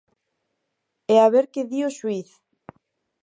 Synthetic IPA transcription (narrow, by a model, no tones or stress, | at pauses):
ɛaβeɾkeðioʃwiθ